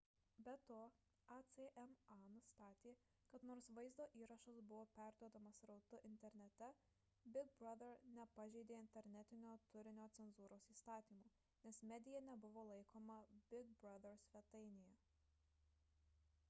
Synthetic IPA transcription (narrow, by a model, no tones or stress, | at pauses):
bʲɛt̪oː | ɑt̪sʲeʔɛmɑnʊst̪ɑːt̪ʲeː | kɐt̪noːɾsʋɐɪzd̪oːʔiːɾɐʃɐsbʊʋoːpʲæˑɾd̪uɔd̪ɐmɐsɾɐʊt̪ʊʔɪnʲt̪ʲɛɾʲnʲɛt̪ʲɛ | bʲɪɡ̚bɾɐd̪ɛɾnʲɛpɐʒʲɛɪd̪ʲeːɪnʲt̪ʲɛɾʲnʲɛt̪ʲɪnʲoːt̪ʊɾʲɪnʲoːt̪sʲɛnzuːɾoːsiːst̪ɑːt̪ʲiːmuː | nʲɛsmʲɛd̪ʲɪjɛnʲɛbʊʋoːlˠɐɪkʰoːmɐbʲɪɡ̚bɾɐd̪ʲɛɾsʲʋʲɛt̪ɐɪnʲɪjɛ